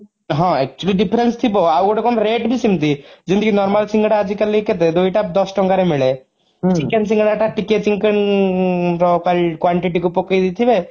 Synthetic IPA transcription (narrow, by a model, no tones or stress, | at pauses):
ɦɔ̃ɛk̚t͡ʃuəliɖipʰɾenst̪ʰibɔawɡɔʈekɔnɾeːʈbʱisimt̪id͡ʒind̪ikinɔɾmalsiŋɡɽaːd͡ʒikəliket̪̬ed̪uiʈap̚d̪ɔsʈɔŋkaɾemiɭe | t͡ʃikens̬ĩŋɡɽaʈaʈiket͡ʃiŋkən | ɔkalkwaɳʈiʈikupokːəjd̪it̪ʰibe